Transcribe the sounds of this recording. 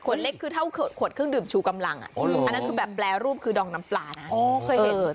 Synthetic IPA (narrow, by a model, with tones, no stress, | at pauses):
kʰo˨˩˦t̪̚le˦˥kʰːɯː˧t̪ʰa˥˩wkʰoː˨˩t̪̚kʰo˨˩t̪̚kʰɯ˥˩əŋdɯː˨˩mt͡ɕʰuː˧˩ka˧mla˧ŋʔa̰˨ʔa˨˧na˦˥nkʰɯː˧bɛː˨˩pːlɛː˧ɾuː˥˩p̚kʰɯː˧dɔː˨˩ŋ̚na˦˥mplaː˧˩na˦ʔɔː˧˩kʰːʔː